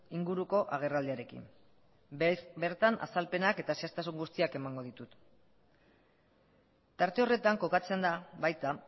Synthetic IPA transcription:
iŋɡuɾuko̞ʔaɣ̞e̞rald̪iaɾe̞kḭn | beɾt̪anʔa̰salpe̞nake̞t̪aseast̪asuŋɡust̪iake̞maŋɡo̞ðit̪ut̪ | t̪aɾt̪e̞o̞re̞t̪aŋko̞kat͡se̞nd̪aβajt̪a

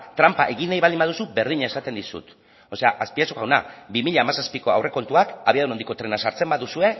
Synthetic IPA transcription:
t̪ɾampaʔe̞ɣinajβald̪imbað̞usube̞ɾð̞iɲae̞sat̪e̞nd̪isṵt̪ | o̞se̞aʔaspiasuɣawnabimiʎaːmasaspiko̞a̰wrʔeko̞nt̪uakaβiaðunond̪iko̞t̪ɾe̞nasaɾt͡se̞mbaðusue̞

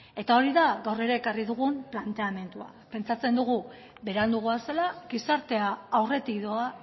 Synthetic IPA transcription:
e̞t̪ao̞ɾiðaɣawre̞ɾe̞ːkariðuɣ̞umplant̪e̞ame̞nt̪ua̰ | pe̞nt͡sat͡se̞nd̪uɣ̞u | βe̞ɾand̪uɣ̞uaselaɡisaɾt̪e̞aawre̞t̪ikðoa

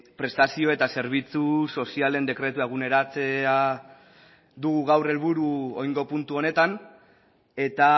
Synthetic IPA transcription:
pɾe̞st̪asio̞e̞t̪ase̞ɾβ̞it͡suso̞siale̞nd̪e̞kɾe̞t̪ueɣ̞une̞ɾat͡sea | ðuɣ̞uɣawre̞lβuɾuojŋɡo̞punt̪uo̞ne̞t̪an | e̞t̪a

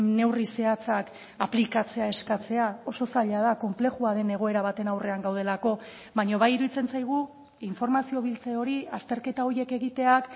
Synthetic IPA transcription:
ne̞wrise̞at͡sak | aplikat͡se̞ae̞skat͡se̞ao̞so̞saʎað̞ako̞mple̞xuaðe̞ne̞ɣ̞o̞e̞ɾaβ̞at̪e̞nawre̞aŋɡawð̞e̞lako̞ | βaɲo̞βajiɾuðit͡se̞nt͡sajɣ̞u | iɱfo̞ɾmasio̞β̞ilt͡seo̞ɾiast̪e̞ɾke̞t̪ao̞ɾje̞ke̞ɣit̪e̞ak

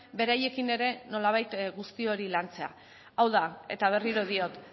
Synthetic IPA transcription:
be̞ɾaje̞kine̞ɾe̞no̞laβ̞ajt̪ɣust̪io̞ɾilant͡se̞a̰ | awðae̞̰t̪aβ̞e̞riɾo̞ðio̞t̪

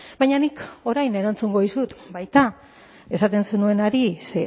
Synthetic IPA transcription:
bajɲaniko̞ɾajne̞ɾant͡suŋɡo̞ðisut̪bajt̪a | e̞sat̪e̞nse̞nue̞naɾise

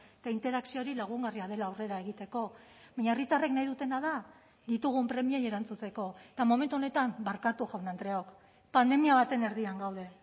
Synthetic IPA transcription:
et̪aint̪e̞ɾaksio̞ɾilaɣ̞uŋɡariaðe̞laːwre̞ɾae̞ɣ̞it̪e̞ko̞ | βajɲaerit̪are̞knajðut̪e̞naða | d̪it̪uɣ̞umpɾe̞mieje̞ɾant͡sut͡se̞ko̞et̪amo̞me̞nt̪uo̞ne̞t̪ambaɾkat̪uʝawnand̪ɾe̞aok | pand̪e̞miaβat̪e̞ne̞ɾðiaŋɡawð̞e̞

